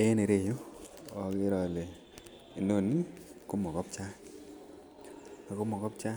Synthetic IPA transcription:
e˦ne˨ɾe˦˨jo˦ɔ˨kɪ˦ɾɔ˨le˨ | i˨no˦˨ni˦˨ko˦mɔ˨kɔ˦p̚t͡ʃa˦ | a˨ko˦mɔ˨kɔ˦p̚t͡ʃa˦

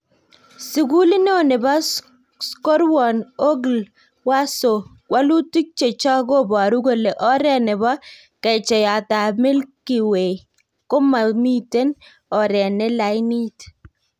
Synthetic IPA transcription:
si˨ɡu˦li˦no˦˨nɪ˨bɔ˦ | sko˦ɾwɔ˨no˦ɡl | wa˦so˨kwa˦lu˦ti˦k̚t͡ʃe˨t͡ʃɔ˦ɡo˦bɔ˨ɾu˦ɡo˦le˨ʔɔ˦ɾɛ˦˨nɪ˨bɔ˦ | kɛ˨t͡ʃɛ˨ja˨ta˨mɪ˦lki˨we˨ | ko˦ma˨mi˦te˦n | ɔ˨ɾɛ˨ne˦la˨˦ni˦t

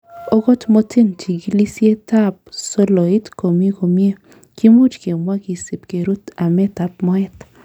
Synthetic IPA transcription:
o˦ɡɔ˦tmo˦tʰɪ˦nti˨ɡi˦li˦sje˦ta˦˨p̚so˦lo˨i˦tko˨me˦ko˨mje˦ | ki˦mu˦t͡ʃke˨mwa˦ki˨si˨pke˨ɾu˦t̪a˨mɛ˦ta˨p̚mɔ˦ɛ˦t̪

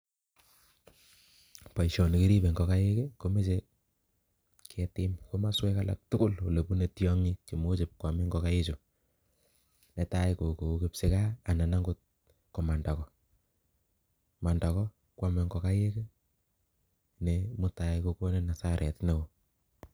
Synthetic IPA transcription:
pa˨i˨ʃɔ˨ni˨ki˦ɾi˦be˨ŋɡɔ˨ka˦je˦ke˦ko˦me˦t͡ʃe˦ | kʰɛ˨tɪ˦mko˦ma˦swɛ˦ka˦la̰˨k̚tʊ˦kʊ˦lo˨le˨pu˦ne˨tjɔ˦ŋi˦ki˨mo˦t͡ʃɪ˨p̚kwa˨me˦ŋɡɔka˦je˦t͡ʃo˨ | ne˨ta˦jko˨ko˨ku˦kepse˦kaː˦˨na˨na˦ŋɡʊ˦t̚ | kɔ˨ma˨nda˨kɔ˦ | ma˨nda˨kɔ˦ | kwa˨me˨ŋɡɔ˨ka˦je˦ke˦ | ne˨mʊ˦ta˨jkoko˦ne˦na˨sa˦ɾɛ̰˨tne˦ko˨

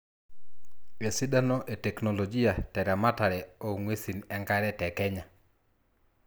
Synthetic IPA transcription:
we˨si˦da˦no˦ʔe˨tɛ˨kno˨lo˨d͡ʒi˦a˨tɛ˨ɾa˨ma˦ta˨ɾɛ˨o˨ŋwe˦si˨nɛ˦ŋɡa˦ɾɛtɛkɛ˦ɲa˨

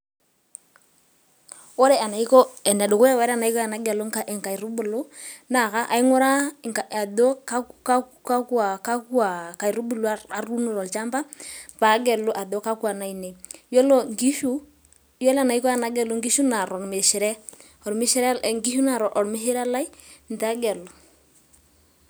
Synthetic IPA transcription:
ɔ˦ɾɛ˦a˨na˨i˦kɔ˦ɛ˨nɛ˨dʊ˨kʊ˦ɛ˦wɛ˦ɾa˦˨na˨i˦kɔ˦a˨na˦ɡɛ˨lo˦ŋka˦ʔɪ˨ŋka˨i˨ɾʊ˦bʊ˨lʊ˦na˨ka˦ʔa˨i˦ŋʊ˦ɾa˦ka˨a˨dɔ˦k | ka˦ku˦a˨ka˦ku˦a˨ka˨ɾʊ˦bu˦˨lo˦a˦a˦ru˦no˦˨ɾɔ˨lt͡ʃa˦mba˦pa˨˦ɡɛ˨lʊ˦ʔa˨dɔ˦ka˦kwa˨na˨˦i˨ne˨jɔ˦lɔ˦ŋɡi˦ʃu˦ | jɔ˦la˦˨na˨i˦kɔ˦ja˨na˨˦ɡɛ˨lʊ˦ŋɡi˦ʃu˦na˨ɾɔ˨ɾme˨ʃɪ˨ɾɛ˦ | ɔ˨ɾmɪ˦ʃɪ˦ɾɛ˦˨ŋɡi˦ʃu˦na˨ɾɔ˨ʔɔ˨ɾmɪ˦ɦe˦ɾa˦la˦i˦n˨ta˦ɡɛ˨lʊ˨

